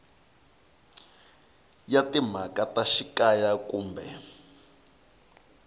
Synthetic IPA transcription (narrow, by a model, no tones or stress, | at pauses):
jatim̤akataʃikajakuːmbɛ̰